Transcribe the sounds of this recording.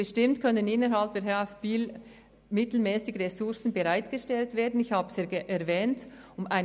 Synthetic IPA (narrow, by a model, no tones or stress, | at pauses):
əʃtɪmtkʰœnənɪnəɾɦɑlp̚ehɛffiːl | mɪtl̩mɛːsɪɡəʁesʊɾsn̩bəʁaɪtɡ̥əʃtɛltv̥eːɐdn̩ɪçhaːbəseːɡʔɛɾvɛːntʊmaɪ